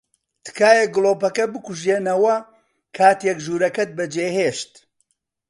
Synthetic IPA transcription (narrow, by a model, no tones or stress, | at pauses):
t̪ʰɨ̥kaːjɛɡɨlˠoːpɐkɐbɨkuʒeːnɐwɐ | kʰaːt̪jɛkʒuːɾɐkɐt̪̚bɐd͡ʒeːheːʃt̪